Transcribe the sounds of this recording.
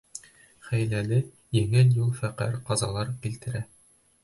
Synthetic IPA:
χæjlælɘ | jɘ̆ŋɘljulˠfæqæ̰ɾqɑzɑlˠɑɾkilt̪ɘ̆ɾæ

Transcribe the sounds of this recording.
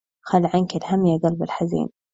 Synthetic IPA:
xalːʕankɪlhamːjaɡɑlbɪlħazḭːn

